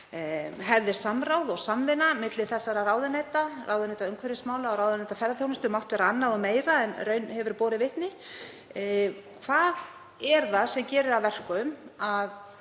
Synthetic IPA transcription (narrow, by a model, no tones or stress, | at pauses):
ɦɛvðɪ̥samɾaːwðɔɣsamvɪnamɪt̪lɪ̥θɛsːaɾaraːwðɪnɛːjt̪araːwðʏnɛjt̪aœŋkʰvɛɾɪsmaːwlaɔɾawðnɛjt̪afɛɾðaθjownɪst̪ʏmawht̪vɛːɾaanːaðɔɣmeːjɾaɛnrœːɥnhɛvʏɾpɔːɾɪvɪht̪nɪ | kʰvað | ɛɾθaðsɛmcɛːɾʏɾavvɛr̥kʏmað